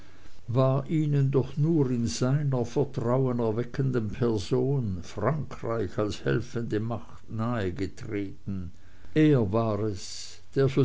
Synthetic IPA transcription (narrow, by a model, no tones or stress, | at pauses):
vaːʔiːnəndɔχnuːʁɪnzaɪnɐfɛɐtʁ̥aʊənɛɐvɛkʰəndənpʰɛɐzoːnfʁ̥aŋkʁ̥aɪçalshɛ̰lfəndəmaχtnaːəɡətʁ̥eːtn̩ | ʔeːɐvaːʁɛs | d̥eːɐzo